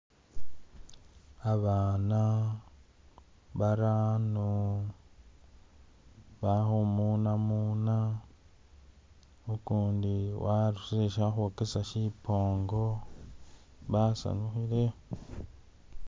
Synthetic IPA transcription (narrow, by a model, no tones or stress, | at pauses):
aβanã | baɾanũ | βaɦomũnãmũnã | ukundiwaɾusɾeʃaɦukesaʃipʰoŋɡo | βasa̰nũɦiɾe